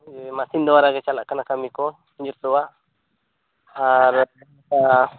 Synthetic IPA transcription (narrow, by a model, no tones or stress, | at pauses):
d͡ʒɛmasind̪ɔwaɾaɡɛt͡ʃalaʔkanakamikɔ | ɲd͡ʒɔɾt̪ɔwaʔ | aɾ | ka